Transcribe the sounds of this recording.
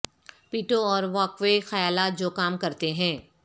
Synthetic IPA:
piːʈoɔːɾʋaːkʋexɐjaːlaːt̪̚d͡ʒoːkaːmkɐɾt̪eɦɛ̃ː

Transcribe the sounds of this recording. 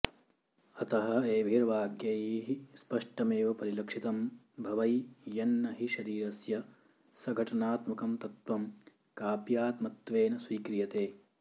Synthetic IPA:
ɐt̪ɐɦɐ̆eːʋʱiɾʋaːɡjɐjiːɦispɐʂʈɐmeːʋɐpɐɾilɐkʂit̪ɐm | bʱɐʋɐjjɐnːɐɦiʃɐɾiːɾɐsjɐ | sɐɡʱɐʈɐnaːt̪mɐkɐmt̪ɐt̪ʋɐm | kaːpjaːt̪mɐt̪ʋeːnɐsʋiːkɾijɐt̪eː

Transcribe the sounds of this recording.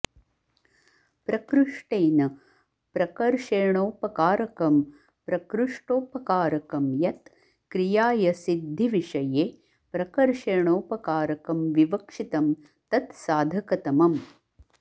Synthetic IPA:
pɾɐkɾuʂʈeːnɐ | pɾɐkɐɾʂeːɳoːpɐkaːɾɐkɐm | pɾɐkɾuʂʈoːpɐkaːɾɐkɐmjɐt̪ | kɾijaːjɐsid̪ʱːiʋiʂɐjeː | pɾɐkɐɾʂeːɳoːpɐkaːɾɐkɐmʋiʋɐkʂit̪ɐm | t̪ɐt̪saːd̪ʱɐkɐt̪ɐmɐm

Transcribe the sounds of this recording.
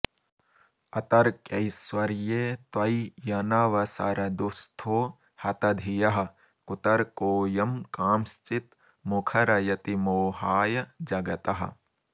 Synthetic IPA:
ɐt̪ɐɾkjɐjswɐɾjeːt̪wɐjjɐnɐʋɐsɐ̰ɾɐd̪ust̪ʰoː | hɐt̪ɐd̪ʱijɐɦɐ̆ | kut̪ɐɾkoːjɐmkaːmst͡ʃit̪ | mukʰɐɾɐjɐt̪imoːɦaːjɐd͡ʒɐɡɐt̪ɐɦɐ̰̆

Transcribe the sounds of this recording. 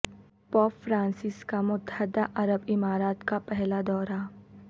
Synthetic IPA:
pɔːpfɾãːnsɪskamʊd̪ʱad̪aʔɐɾəbɪmaːɾaːt̪kapɛɦlad̪ɔːɾa

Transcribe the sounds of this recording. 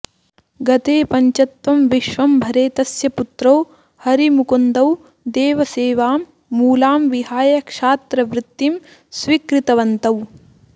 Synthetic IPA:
ɡɐt̪eːpɐɲt͡ʃɐt̪ʋɐmʋiʃʋɐmbʱɐɾeːt̪ɐsjɐput̪ɾɐw | hɐɾimukund̪ɐw | d̪eːʋɐseːʋaːmː | uːlaːmʋiɦaːjɐkʂaːt̪ɾɐʋɾɪt̪ːim | sʋikɾit̪ɐʋɐnt̪ɐw

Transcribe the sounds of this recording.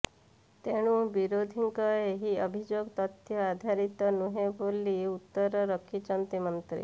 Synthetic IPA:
t̪eɽ̃ũbiɾod̪ʱiŋkɔeɦiəbʱid͡ʒoɡt̪ɔt̪ʰjɔad̪ʱaɾit̪ɔnuɦebolːiut̪ːɔɾɔɾəkʰit͡ʃɔnt̪imɔnt̪ɾḭ

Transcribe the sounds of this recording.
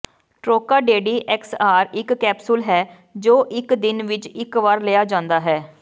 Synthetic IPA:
ʈɾoːkaːɖeːɖiːʔɛksaːɾɪkːɛːpsʊlɦɛː | d͡ʒoːʔɪkd̪ɪnʋɪt͡ʃɪkʋaːɾleːaːd͡ʒãːnd̪aːɦɛː

